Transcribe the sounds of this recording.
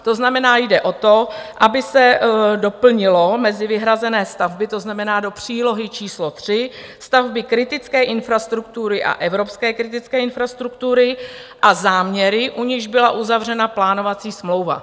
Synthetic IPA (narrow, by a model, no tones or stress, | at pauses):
t̪o̞znamɛnaːjdɛʔo̞t̪o̞ʔabɪsɛdo̞pl̩ɲɪlo̞mɛzɪvɪɦɾazɛnɛːst̪avbɪt̪o̞znamɛnaːdo̞pr̝̥iːlo̞ɦɪt͡ʃiːslo̞t̪r̝̥ɪst̪avbɪkɾɪt̪ɪt͡skɛːʔɪnfɾast̪ɾuk̚t̪uɾɪʔa̰ʔɛvɾo̞pskɛːkɾɪt̪ɪt͡skɛːɪnfɾast̪ɾukt̪uɾɪʔazaːmɲɛɾɪʔuɲɪʒbɪlaʔuzavr̝ɛnaplaːno̞vat͡siːsmlo̞wva̰